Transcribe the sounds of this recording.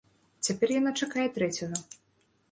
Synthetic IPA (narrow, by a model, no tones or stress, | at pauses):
t͡sʲapʲɛrjɐnat͡ʂɐkajɛt̪ɾɛt͡sʲɐnɐ